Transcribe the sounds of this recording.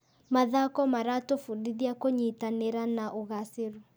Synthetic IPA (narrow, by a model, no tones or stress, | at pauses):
maðakɔmaɾatofudiðiakoɲitaneɾanaʔoɣaseɾu